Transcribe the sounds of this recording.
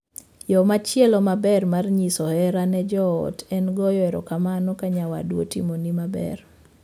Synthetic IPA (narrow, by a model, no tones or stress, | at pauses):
jɔmat͡ʃjɛlɔmabɛrmarɲisɔhɛɾanɛd͡ʒɔɔ̰tɛnɡɔjɔɛɾɔ̰kamanɔkaɲawadwo̰tḭmonimabɛ̰r